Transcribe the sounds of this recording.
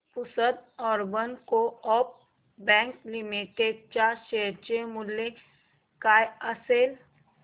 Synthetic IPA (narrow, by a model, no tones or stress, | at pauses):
pʊsəd̪ɔːɾbənkoɔp̚ | bɛ̃ːŋklimiʈeɖ̚t͡ʃaʃeːɾt͡ʃemʊlːe | kaːjəseːl